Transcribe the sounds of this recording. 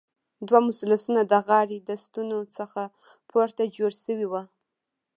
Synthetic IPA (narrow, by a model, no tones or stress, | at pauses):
d̪wamʊsɪlasunad̪əɣɑɽid̪əst̪unot͡səxa | pʰoɾt̪ad͡ʒoɽsəwiwa